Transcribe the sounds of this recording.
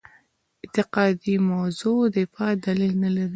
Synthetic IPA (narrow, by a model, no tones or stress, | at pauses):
ɪnt̪ɪqɑd̪imawzod̪əfɑd̪alilnalaɾi